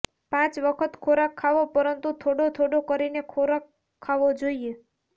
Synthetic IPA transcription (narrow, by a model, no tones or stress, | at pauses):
pãt͡ʃʋəkʰət̪kʰoɾakʰːaʋopəɾənt̪ut̪ʰoɽot̪ʰoɽokəɾinekʰoɾakʰː | aʋod͡ʒoie